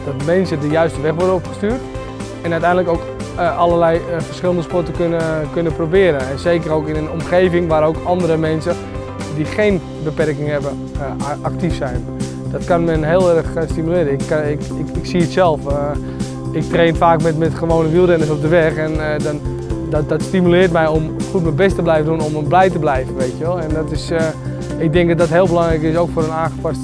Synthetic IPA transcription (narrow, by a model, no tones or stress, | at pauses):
d̥ɔtmɛnsədəjœɥstəʋɛxʋɔrdənopχə̥styːrt | ɛnœtɛjndələkowkʔalərlɛjfərsχɪlˠəndəspɔtəkønəkønəprobɪːəɾəɛnseːkəɾowkɪnənomχeːvɪŋʋaːɾəowkɔndəɾəmɛnsə | dixejn | bəpɛrkɪŋhɛbə | ak̚tifsɛjn | dɔtkanmɛnɦɪːlˠɛrəxstimylɪːɾəɪkɪ | ɪkɪksiətsɛlˠf | ɪk̚treːnfaːkmɛtmɛtχəʋoːnəʋilˠdɛnəs̬ɔp̚dəʋɛxɛndɔn | ddɔtstimylɪːrtmɛjomxutmɛbɛstəblɛjvəndunomblɛjtəblɛjvənʋeɪtjəʋɛlˠɛndɔtɪs | ɪk̚dɪŋkdɔdɔtɦɪːlˠbəlɑŋɾɛjkɪs̬owkfoːɾənaːnxə̥past